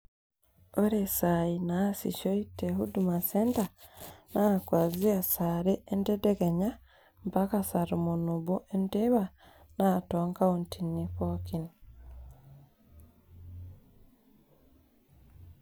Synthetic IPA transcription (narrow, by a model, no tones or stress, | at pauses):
oɾesainaːsḭʃoiteɦudumaseːntanakwaːziasaɾeːndedekeɲa | mpakasaɾumunuβuʔendeβa | natoːŋkaontiniɸokini